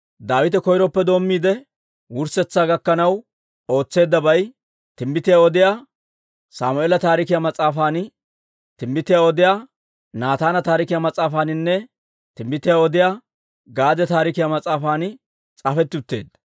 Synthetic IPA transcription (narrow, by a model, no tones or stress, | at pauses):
d̪aːwɪt̪ɛkɔjɾɔpːɛd̪o̞ːmːiːd̪ɛ | wʊɾsɛt͡sːaːɡɐkːɐnɐw | o̞ːt͡sːe̞ːd̪ːɐbɐj | t̪ɪmbɪt̪ɪjaːɔd̪ɪjaː | saːmʊeːlɐt̪aːɾɪkɪjamɐt͡sʼːaːfaːn | t̪ɪmbɪt̪ɪjaːɔd̪ɪjaː | naːt̪aːnɐt̪aːɾɪkɪjamɐt͡sʼːaːfaːnɪnːɛ | t̪ɪmbɪt̪ɪjaːɔd̪ɪjaː | ɡaːd̪ɛt̪aːɾɪkɪjamɐt͡sʼːaːfaːn | t͡sʼaːfɛt̪ːɪʊt̪ːe̞̰ːd̪ːɐ